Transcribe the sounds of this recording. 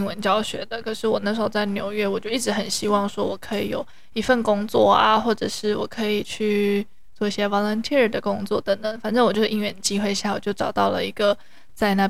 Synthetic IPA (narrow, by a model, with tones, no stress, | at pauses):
ŋwə˧˦nt͡ɕjɑ˥˧ʊɕɥɛ̰˧˥d̪ə˨kʰɤ˨˩ʂɻ̩˥˩wɔ˨˩na˥˩ʂɻ̩˧˥xo˥ʊt͡sa˥˩ɪnjo˧˥ʊɥɛ˥˩wɔ˨˩t͡ɕjo˥˧ʊi˥˩ʈ͡ʂɻ̩˧˥xə˨˩nɕi˥wɑ˥˩ŋʂwɔ˥wɔ˨˩kʰɤ˧˥ḭ˨˩˦jo̰˨˩ʊ | i˧˥fə˥˩nkʊ˥ŋt͡swɔ̰˥˩a̰˩xwɔ˥˩ʈ͡ʂə˨˩ʂɻ̩˥˩wɔ̰˨˩kʰɤ˧˥i˨˩t͡ɕʰy˥˧ | t͡swɔ˥˧i˧˩ɕjɛ˥wɑ˧˥ŋlə˧˥nt̪ʰɛ˥ɻə˥˩d̪ə˩kʊ˥ŋt͡swɔ̰˥˩t̪ə˧˥ŋt̪ə˨˦ŋfa˨˩nʈ͡ʂə˥˩ŋwɔ˨˩t͡ɕjo˥˧ʊ˥˧i˥ɥɛ˥˩nd̪ə˩t͡ɕi˥xwe˥˧ɪɕja˥˩wɔ˨˩t͡ɕjo˥˩ʊʈ͡ʂɑ˨˩ʊt̪ɑ˥˩ʊlə̰˩i˧˥ɡ̥ə˧ | t͡sa˥˧ɪna˥˩